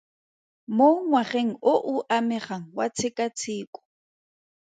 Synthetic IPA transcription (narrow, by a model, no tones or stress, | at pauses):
moŋwaχeŋoʔʊʔameχaŋwat͡sʰɪkʼat͡sʰiːkʼʊ̥